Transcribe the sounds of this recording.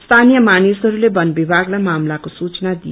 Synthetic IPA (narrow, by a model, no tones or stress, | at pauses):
st̪ʰanijʌmanisɦʌɾulebʌnbibʱaɡlajmamlakosut͡snad̪ij